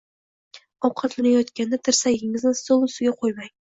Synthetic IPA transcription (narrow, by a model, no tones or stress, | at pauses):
ɒwqʰɑt̪lɪnajɒt̪kʲʰand̪at̪ʰɪɾsaɡʲɪŋɪznɪsolˠʊsɪɡʲaqʰojmaŋ